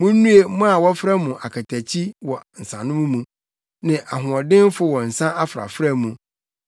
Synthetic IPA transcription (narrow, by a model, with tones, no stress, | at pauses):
mũ˦n̩˦nũ˦e˦mʊ̃˦a˨wɔ˦fɾa˦mũ˨ʔa˨kʰa˨tʰæ˨t͡ɕʰi˦wɔ˨n̩˨sã˨nʊ̃˦mũ˦mũ˨ | nɪ̃˨ʔa˨ɦʊ̃˨ɔ˨dɪ̃˦m˦fʊ˦wɔ˨n̩˨sã˦a˦fɾa̰˨fɾa˦mũ˨